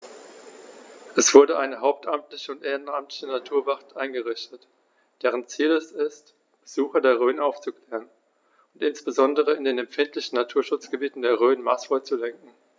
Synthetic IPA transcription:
ʔɛsv̥ʊɐdəʔaɪnəɦaʊp̚tʰʔamtlɪçəʊntʔeːʁənamtlɪçənatʰuːɐvaχtʔaɪnɡəʁɪçtət | d̥eːʁ̞ənt͡siːlɛsɪst | b̥əzuːxɐdeːɐʁ̞øːnʔaʊft͡sukl̥ɛːʁən | ʊntʔɪnsb̥əzɔndəʁ̞əɪndeːnɛmfɪntlɪçn̩ːatʰuːɐʃʊt͡sɡ̥əbiːtn̩deːɐʁ̞øːnmaːsfɔɪt͡sulɛŋkŋ̩

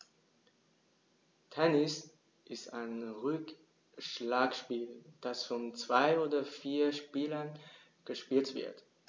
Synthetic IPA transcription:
tʰɛnɪs | ʔɪsta̰ɪnʁʏk | ʃlaːkʃpiːld̥asfɔnt͡sv̥aɪoːdɐfiːɐʃpiːlɐn | ɡ̥əʃpiːltv̥ɪ̰ɐt

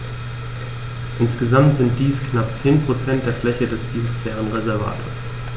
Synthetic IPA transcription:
ʔɪnsɡ̥əzamtz̥ɪnt̚d̥iːskʰnap̚t͡seːnpʁ̥ot͡sɛnt̚d̥eːɐflɛçədɛsbiːsfɛːʁənʁezɛɐva̰ːtʰo̰ːɐs

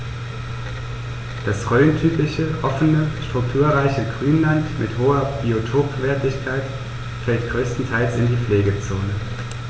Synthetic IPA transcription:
d̥asʁøːntʰyːpɪçəʔɔfənəʃtʁ̥ʊk̚tʰuːɐʁaɪçəɡʁyːnlantmʔɪthoːɐb̥iotʰoːpv̥ɛːɐtɪçkʰaɪt | fɛltɡ̥ʁøːstn̩tʰaɪlsɪndiːfleːɡət͡soːnə

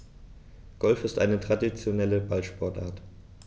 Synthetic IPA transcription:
ɡ̥ɔlfɪstʔa̰ɪnətʁ̥adit͡sjonɛləbalʃpʰɔɐtʔa̰ːɐt

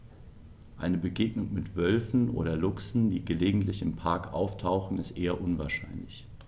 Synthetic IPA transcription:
ʔaɪnəbəɡeːɡnʊŋmɪtv̥œlfn̩ʔo̰ːdɐlʊksn̩diːɡəleːɡŋ̩tlɪçɪmpʰaɐkʔa̰ʊftʰaʊxn̩ɪstʔeːɐʔʊnvaɐʃa̰ɪnlɪç

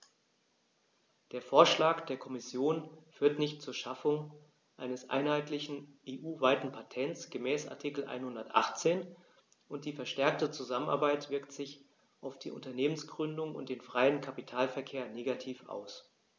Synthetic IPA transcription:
d̥eːɐfoːɐʃlaːkd̥eːɐkʰɔmɪsjoːnfyːɐtnɪçtt͡suːɐʃafʊŋ | ʔaɪnəsʔa̰ɪnhaɪtlɪçn̩ʔeːʔuːvaɪtn̩pʰatʰɛnt͡sɡ̥əmɛːsʔa̰ɐtʰikl̩ʔa̰ɪnhʊndɐtʔa̰χt͡seːn | ʔʊnt̚d̥iːfɛɐʃtɛɐk̚tət͡suzaməna̰ɐbaɪtv̥ɪɐktz̥ɪç | ʔaʊfd̥ḭːʔʊ̰ntɐneːmənsɡ̥ʁʏndʊŋʊ̰ntd̥eːnfʁ̥aɪənkʰapitʰaːlfɛɐkʰeːɐneːɡatʰiːfʔa̰ʊs

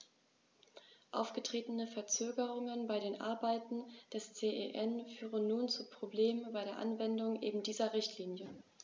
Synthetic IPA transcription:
ʔa̰ʊfɡ̥ətʁ̥eːtən̩əfɛɐt͡søːɡəʁʊŋənbaɪɾeːnʔa̰ɐbaɪtn̩d̥ɛst͡seːʔḛʔɛnfyːʁənːuːnt͡supʁ̥obleːmənbaɪɾeːɐʔanvɛndʊŋʔeːbm̩diːzɐʁɪçtʰliːnjə

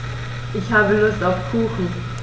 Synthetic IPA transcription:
ʔɪçhaːbəlʊstaʊfkʰuːxn̩

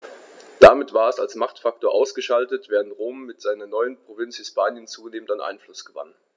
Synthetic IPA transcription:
d̥amɪtv̥aːɐɛsalsmaχtfak̚toːɐʔaʊsɡ̥əʃaltətv̥ɛːʁəntʁoːmːɪtz̥aɪnɐnɔʏənpʁ̥ovɪnshɪspaːnjənt͡suːneːməndanʔa̰ɪnflʊsɡ̥əva̰n

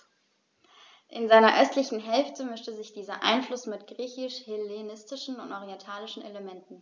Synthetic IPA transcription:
ʔɪnzaɪnɐʔœstlɪçn̩ɦɛlftʰəmʏstəzɪçd̥iːzɐʔa̰ɪnflʊsmɪtɡ̥ʁiːçɪʃhɪlenɪstɪʃn̩ʊntʔɔʁiɛntʰaːlɪʃn̩ʔeləmɛntn̩

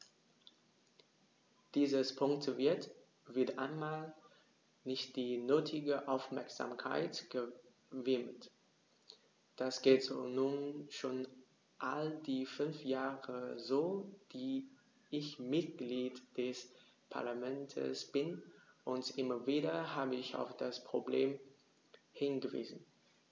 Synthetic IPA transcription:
d̥iːzəspʰʊŋk̚təvɪɐt | v̥ɪɐtʔa̰ɪnmaːl | nɪçt̚d̥iːnøːtʰɪɡəʔaʊfmɛɐkz̥a̰ːmkʰa̰ɪtɡ̥ə | vɪmt | d̥asɡ̥eːtz̥oːnuːnʃoːn | ʔaldiːfʏnfjaːʁəzoːv̥iː | ʔɪçmɪt̚ɡ̥liːtd̥ɛs | pʰa̰ɐlamɛntʰə̰sb̥ɪnʔʊntʔɪmɐviːɾɐhaːbəɪça̰ʊfd̥aspʁ̥obleːm | hɪnɡəvḭːzn̩

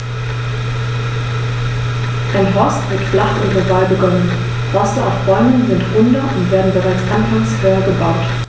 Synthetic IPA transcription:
fɛnɦɔɐstvɪtflaχʔʊ̰ndənvaːlbəɡɔnən | hɔstəaʊfʁ̥ɔʏnən̩zɪntʁ̥ʊndɐʔʊntv̥eːɐdn̩bəʁaɪt͡sʔanpʰaksfɔʏɐɡəbaʊt

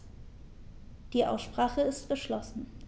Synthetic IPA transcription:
d̥iːʔa̰ʊsʃpʁ̥aːχəɪstɡ̥əʃlɔsn̩

